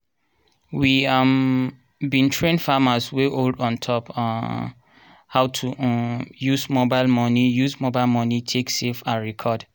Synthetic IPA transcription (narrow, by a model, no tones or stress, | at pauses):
wiam | bĩntʰɹẽnfamasweʔoldɔ̃ntʰɔp | haʊtʰu | juzmobaɪlmɔnijusmobaɪlmɔnitʰeksefaɹɛkʰɔd